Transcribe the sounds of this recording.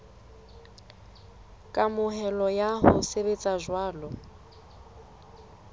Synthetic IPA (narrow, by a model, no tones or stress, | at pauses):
kʼamʊɦɛlɔjahʊseβet͡sʼaʒwaːlɔ